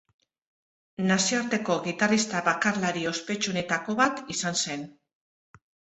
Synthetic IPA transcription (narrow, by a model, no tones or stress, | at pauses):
nasioaɾt̪e̞ko̞ɣit̪arist̪aβakarlaɾio̞spe̞t͡ʃune̞t̪ako̞βat̪isanse̞n